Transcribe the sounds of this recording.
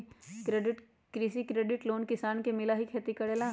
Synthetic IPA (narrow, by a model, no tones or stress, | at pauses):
kɾeːɖɪʈ | kɾiːsikɾeːɖɪʈloːnkɪsaːnkemɪlaɦikʰeːt̪ikɐɽeːla